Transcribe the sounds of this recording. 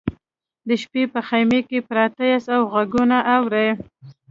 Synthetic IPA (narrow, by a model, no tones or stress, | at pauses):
d̪əʃpepəxajmekepɾɑt̪əjasawɣaɡunaʔawɾaj